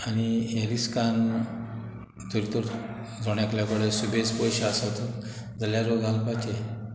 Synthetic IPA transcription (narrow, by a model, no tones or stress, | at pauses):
añijeɾiskan | d͡z̪uɾit̪əɾ | d͡zoɳ̃jakljakoɽesubʱet͡spɔjɕasaʋt̪u | d͡zəljaɾoɡʱalpat͡ɕe